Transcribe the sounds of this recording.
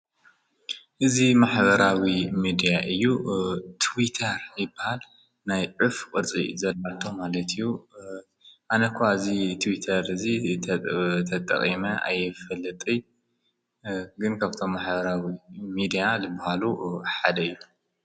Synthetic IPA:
ʔɨzimaħbɐɾawimid̪ijaʔɨjːut̪ʰwit̪ʰɐɾjɪbːahal | najʕufkʼɨɾt͡sʼḭzɐlʔat̪ʰomalɐt̪ʰijːu | ʔanɐkʰaɨzit̪ʰwit̪ʰɐɾɨzi | t̪ʰɐt̪ʼɐ̰χʼimɐʔa̰jːɪfɐlːɨt̪ʼi | ɡɨnkʰaβɨt̪ʰo̞mːaħbɐɾawimid̪ijazɨbahaluħad̪ɐɨjːu

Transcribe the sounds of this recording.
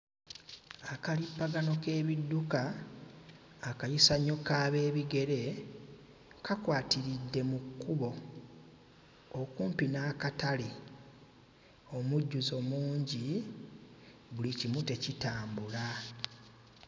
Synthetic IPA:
akalipːaɡano̞ke̞ːβidːuka | kajisaɲːo̞kaːβe̞ːβiɡe̞ɾe̞ | kakwaːtiɾidːe̞mukːuβo̞ | kuːmpinaːkatale | o̞muɟːuzo̞muːɲɟi | βulicimute̞citaːmbula

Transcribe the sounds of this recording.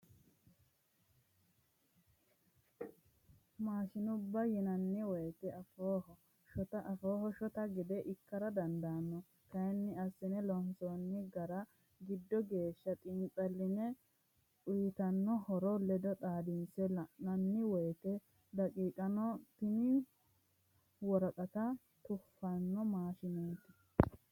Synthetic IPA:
maːʃɪnʊbːɐjɛnɐnːɪwɔjt̪ɛɐfoːhɔ | ʃɔt̪ɐʔɐfoːɦɔʃɔt̪ɐɡɪd̪ɛʔɪkːɐɾɐd̪ɐnd̪anːɔ | kɐjnːɪɐsːɪnɛlɔnsoːnːɪɡɐɾɐ | ɡɪd̪ːɔɡe̞ːʃːɐt̪ʼɪnt͡sʼɐlːɪnɛ | ʊjt̪ɐnːɔhɔɾɔlɛd̪ɔt̪ʼaːd̪ɪnsɛlɐnɐnːɪwɔjt̪ɛ | d̪ɐkʼiːkʼɐnɔt̪ɪnɪ | wɔɾɐt̪ʼɐt̪ɐ | t̪ʊfːɐnːɔmaːʃɪnoːt̪ɪ̥

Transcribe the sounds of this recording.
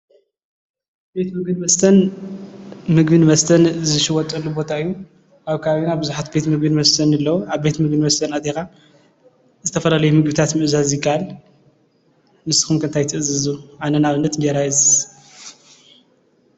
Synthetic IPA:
be̞t̪mɨɡɨnmɐst̪ʰɐn | mɨɡbɨnmɐst̪ʰɐnzɨʃɨwɔt̪ʼɐlːubo̞t̪ʰaɨjːu | ʔaβkʰaaβinabɨzuħat̪be̞t̪mɨɡ̚bɨnmɐst̪ʰɐnɨlːɐwuaβbe̞t̪mɨɡ̚bɨnmɐst̪ʰɐnat̪ʼexa | zɨt̪ʰɐfɐlalɐjumɨɡbɨt̪ʰat̪mɨʔzazjɪkʰːahal | mɨsɨ̥xumkʰɨnt̪ʰajt̪ʰɨʔɨzɨzuʔanɐnaβɨnːɐt̪ɲd͡ʒɐɾajɨz

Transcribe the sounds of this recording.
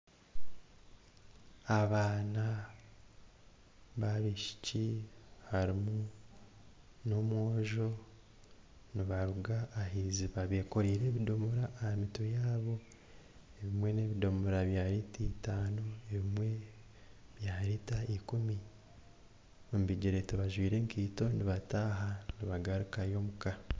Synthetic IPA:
aβaːna | βaβiʃi̥cihaɾimu | no̞mwoːʒo̞ | niβaɾuɡaːɦiziβaβeːko̞ɾiːɾe̞ːβido̞moɾaːhamitojaːβo̞ | eβimwe̞ne̞ːβido̞muɾaβjaːɾititaːnoeβimwe̞ | βjaːɾitaikumi | ombiɟiɾe̞tuβaʒwiːɾe̞ŋkʰiːto̞niβataːɦaniβaɡaɾukajo̞muka

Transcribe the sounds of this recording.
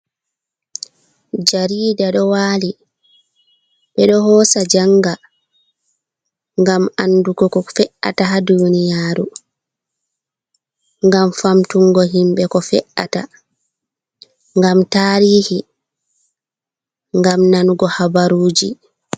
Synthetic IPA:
d͡ʒaɾiːdaɗɔwaːli | ɓɛɗɔɦɔːsad͡ʒaŋɡa | ŋɡamanːduɡɔkɔfɛʔa̰taɦadunijaːɾu | ŋɡamfamtuŋɡɔɦimɓɛkɔfɛ̰ʔata̰ | ŋɡamtaːɾiːhi | ŋɡamnanuɡɔhabaɾuːd͡ʒi

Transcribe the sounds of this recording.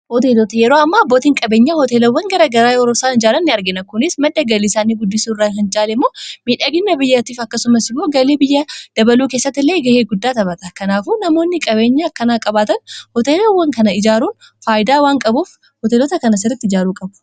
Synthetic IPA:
hɔt̪eːlɔt̪ɐjɛɾo̞ːɐmːaːboːt̪ɪŋkʼɐbe̞ːɲːahɔt̪e̞ːlɐwːɐŋɡɐɾɐɡɐɾaːjoɾosaːnɪd͡ʒaːɾɐnːɪɐɾɡɪnɐkʊnɪsmɐd̪ːɐɡɐlɪsaːniːɡʊd̪ːɪsuːrːaɦɪnt͡ʃʼaːlɪmːo̞ːmiːᶑɐɡɪnːɐbɪjːɐt̪iːfɐkːɐsʊmɐsɪmːoːɡɐleːbɪjːɐd̪̥ɐbɐluːkeːsːɐt̪ːɪlːe̞ːɡɐheːɡʊd̪ːaːt̪ɐβɐt̪ɐkɐnaːfuːnɐmo̞ːnːɪkʼɐbe̞ːɲːakːɐnaːkʼɐbaːt̪ɐnhɔt̪eːlɐwːɐŋkɐnɐɪd͡ʒaːɾuːn | faːjɪd̪aːwaːŋkʼɐbuːf | hɔt̪eːlɔt̪ɐkɐnɐsɪrɾːɐt̪ːɪd͡ʒaːɾuːkʼɐbʊ̥

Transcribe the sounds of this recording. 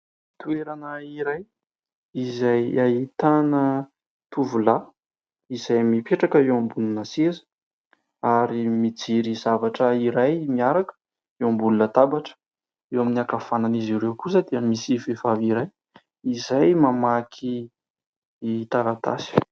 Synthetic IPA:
t̪ueɾanəiɾaj | izajait̪anə | t̪uvula | izajmipeʈ͡ʂakəewambununəsezə̥ | aɾimid͡ziɾizavaʈ͡ʂəiɾajmiaɾakə̥ | ewambulunət̪abaʈ͡ʂə̥ | ewaminiakafananiziɾewkus̬əd̪iəmisifevaviɾaj | izajmamakʰi | t̪aɾat̪a̰si̥

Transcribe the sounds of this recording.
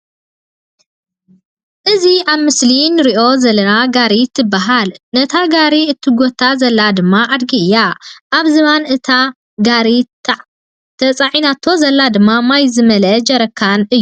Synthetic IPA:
ʔɨziʔaβmɨslinɨɾiʔo̞zɐlɐnaɡaɾit̪ʰːɨbːaɦalnɐt̪ʰaɡaɾiɨt̪ʰːɨɡot̪ʰːazɐlːad̪ɨmːaʔad̪ɡiɨjːaʔaβzɨβanɨt̪ʰa | ɡaɾi | t̪ʰɐt͡sʼaʕinat̪ʰːo̞zɐlːad̪ɨmːamajzɨmɐlɐd͡ʒɐɾɐkʰːanʔɨjːu

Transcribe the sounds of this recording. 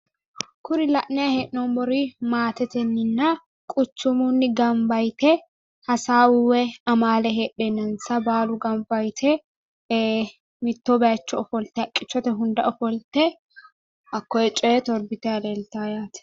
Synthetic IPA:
kʰʊɾɪlɐʔnɛɐhɛʔnɔmbɔɾiːmaːt̪ɛt̪ɛnːɪnːɐ | kʼʊt͡ʃːʊmunːɪɡɐmbɐjt̪ɛ | hɐsaːwʊwɛɐmaːlɛɦɛᶑɛnːɐnsɐbaːlʊɡɐmbɐjt̪ʰɛ | mɪt̪ːobɐjɐt͡ʃːɔɔfɔlt̪ɛɐkʼːɪt͡ʃːɔt̪ɛɦʊnd̪ɐɔfɔlt̪ɛ | ɐkːɔɛt͡ʃʼɔt̪ɔɾbɪt̪ɛɐlelt̪aːjaːt̪ɛ̥

